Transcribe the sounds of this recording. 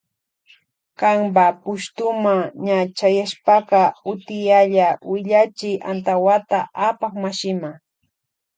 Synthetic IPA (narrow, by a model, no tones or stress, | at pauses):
kɑmbapʊʃt̪ʊmaɲat͡ʃajaʃpɑqɑʊt̪ɪjaʎawɪʎat͡ʃɪjʔa̰nt̪awat̪aapaχmaʃɪma